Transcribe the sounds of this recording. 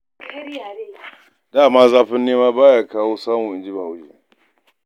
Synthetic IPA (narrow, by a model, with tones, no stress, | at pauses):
daː˦˨maː˦zaː˦ɸɪ˦nːeː˦maː˦baː˦jaː˦kaː˦woː˦saː˦mũ˨ʔɪ˨nd͡ʒɪ˦ba˨ha˦wd͡ʒḛː˦